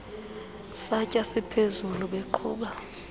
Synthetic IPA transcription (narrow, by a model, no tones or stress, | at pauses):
sacʼasipʰezuluɓeǃʰuːɓa